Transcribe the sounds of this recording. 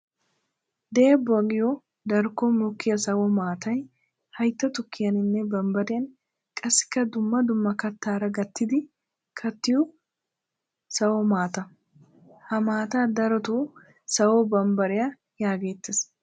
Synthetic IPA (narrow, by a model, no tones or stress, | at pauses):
d̪eːbːɔɐɡɪjɔ | d̪ɐɾkːɔmʊkːɪjɐsɐwɔmaːt̪ʰɐj | hɐjt̪ːɐt̪ʊkːɪjɐnɪnːɛbɐmbɐɾɪjɐn | kʼɐsːɪ̥kːɐd̪ʊmːɐd̪ʊmːɐkɐt̪ːaːɾɐɡɐt̪ːɪd̪ɪ | kʰɐt̪ːɪjɔ | sɐwɔmaːt̪ɐ | hɐmaːt̪aːd̪ɐɾɔt̪o | sɐwɔbɐmbɐɾɪjɐ | jaːɡe̞ːt̪ːɪs